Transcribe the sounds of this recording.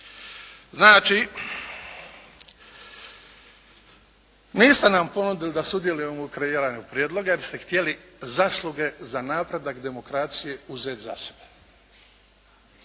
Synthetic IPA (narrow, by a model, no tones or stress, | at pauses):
znaːt͡ʃi | niːst̪enampo̞nud̪ilid̪asud̪je̞lujemoukɾeiːɾaːɲupɾjeːd̪lˠo̞ɡajeɾst̪e̞xt̪jelizaslˠuɡe̞zanaːpɾe̞d̪akd̪e̞mo̞kɾaːt̪sije̞uzeːt̪za̰sebe